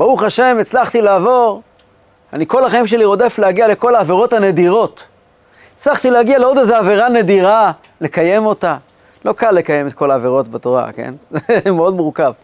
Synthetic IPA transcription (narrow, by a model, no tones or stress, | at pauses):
bauχaʃe̞met͡slaχt̪ilaːvo̞ʁ | aniko̞laχaimʃe̞liʁo̞de̞fleaɡiale̞ko̞laːveʁo̞thane̞diʁo̞t̪ | et͡slaχt̪ileaɡialeo̞deze̞ave̞ʁane̞diʁa | le̞kaje̞mo̞ta | lo̞kalːe̞kaje̞met̪̚kʰo̞laːve̞ʁo̞tbato̞ʁa̰ke̞̰nzemeo̞dmuʁkav